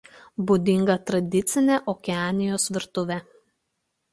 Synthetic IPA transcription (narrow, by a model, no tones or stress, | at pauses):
buːd̪ʲɪŋɡɐt̪ɾɐd̪ʲɪt̪sʲɪnʲeʔɔːkʲɛɑːnʲɪjoːsʋʲɪɾt̪ʊʋʲɛ